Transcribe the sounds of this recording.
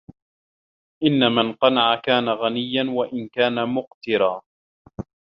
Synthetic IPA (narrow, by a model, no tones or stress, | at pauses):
ʔɪnːamanqɑnaʕakaːnaɣanɪjːanwaʔɪnkaːnamʊqt̪ɪɾaː